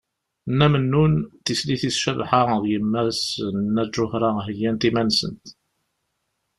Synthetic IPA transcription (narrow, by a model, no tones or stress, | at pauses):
nːæmənːunθisliθisʃæðħaðjəmːæsnːæd͡ʒʒʊhɾaɦəjːænt̪imænsə̰nt̪